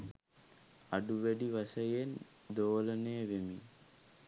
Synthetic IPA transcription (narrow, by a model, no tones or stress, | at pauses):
aɖuʋæɖiʋɐsɐjen | d̪oːlɐnejʋemi